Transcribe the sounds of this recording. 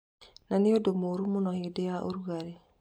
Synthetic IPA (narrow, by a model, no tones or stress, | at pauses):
naneodomoɾumonɔhedejaʔo̰ɾuɣaɾe